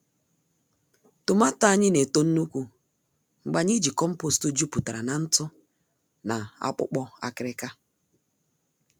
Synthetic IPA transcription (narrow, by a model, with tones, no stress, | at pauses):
tʊ˨ma˦tːɲɪ˦ne˨to˦n̩˦nu˦kʷu˦ | ŋ͡m̩˨ɡ͡ba˨ɲi˦d͡ʒi˨kɔ˦m̩˦po˦˨stʊ˦d͡ʒu˦pu˨ta˨ɾa˨na˨n̩˦tʊ˦ | na˨a̰˦k͡pʊ̰˦k͡pɔ˦a̰˦kɪ˨ɾɪ˦ka˦